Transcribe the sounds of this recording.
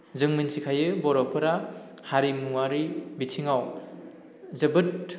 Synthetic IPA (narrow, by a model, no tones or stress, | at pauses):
zɯŋminsikʰajɯbɔɾɔpʰɯɾa | haɾimuwaɾibitʰiŋaw | zɐbɯt